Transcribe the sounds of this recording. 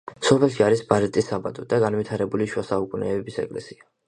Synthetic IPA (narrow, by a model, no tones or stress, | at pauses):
sɔpʰɛlˠʃiaɾisbaɾit̪ʼisːabad̪ɔd̪aɡanwit̪ʰaɾɛbuliʃwasaukʼunʔɛɛbisɛ̰kʼlɛ̰sia